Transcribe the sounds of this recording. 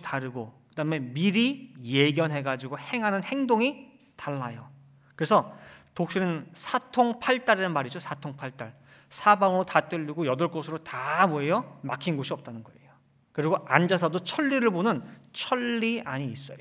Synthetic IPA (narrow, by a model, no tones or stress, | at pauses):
taɾɯɡokɯdaɦɯme̞miɾije̞ɡjʌnɦe̞ɡad͡ʑiɡohe̞ŋɦanɯnhe̞ŋdoŋi | taɭːajo | kɯɾe̞sʰʌtok̚ɕ͈inɯnsʰatʰoŋpʰaɭt͈aɾenɯnmaɾid͡ʑosʰatʰoŋpʰaɭt͈aɭ | sʰabaŋɯɾotat͈ɯʎːiɡojʌdʌɭk͈osʰɯɾotamoɦe̞jʌmakʰinɡoɕʰiʌp̚t͈anɯnɡʌe̞̰jo | kɯɾiɡoʔand͡ʑas̬ʰadot͡ɕʰʌɭːiɾɯɭbonɯnt͡ɕʰʌɭːiaɲiːs͈ʌjo